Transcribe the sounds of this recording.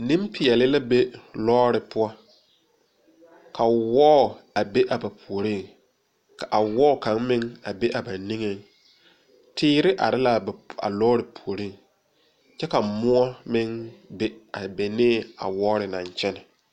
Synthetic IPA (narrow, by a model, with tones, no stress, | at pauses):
nĩ˦mpɪ˨ɛ˨lɪ˦la˦be˦lɔː˦ɾɪ˨pʊ˦ɔ˦ | kʰa˨wɔː˦˨a˨be˦ʔa˨ba˨pʰu˨o˨ɾi˦˨ŋ | ka˨ʔa˨wɔ˦˨kã˨˦ŋmɪ˦ŋa˨be˦ʔa˨ba˨ni˦ŋe˦ŋ | tʰɪː˦ɾɪ˦ʔa̰˨ɾɪ˦la˨ba̰˨lɔː˦ɾɪ˨pʰu˨o˨ɾi˦˨ŋ | t͡ʃɛ˦ka˨mʊ˦ɔ˦mɪ˦ŋbe˦a˨be˨nɪː˦a̰˨wɔː˦ɾɪ˨nã˨ɲt͡ʃɛ˦nɪ˨